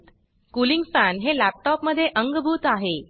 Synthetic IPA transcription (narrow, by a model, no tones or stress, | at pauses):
t̪ | kuliŋɡfænɦelæp̚ʈɔpməd̪ʱːjeʔəŋɡbʱuːt̪aɦe